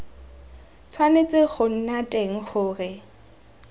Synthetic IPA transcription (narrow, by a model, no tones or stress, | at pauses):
t͡sʰwanet͡sʼeχʊn̩natʼeŋ̩χʊːrɪ